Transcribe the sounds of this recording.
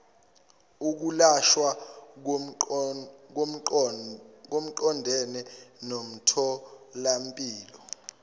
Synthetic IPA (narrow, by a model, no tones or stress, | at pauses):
uk̬ulaʃwa | k̬o | k̬om̩ǃɔndʱɛnɛnom̩tʰɔlam̩pʼiːlɔ